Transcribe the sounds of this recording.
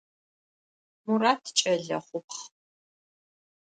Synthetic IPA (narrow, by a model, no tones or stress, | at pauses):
muraːtʰt͡ʃʼɐɮɐ̰χʷʊpʰχ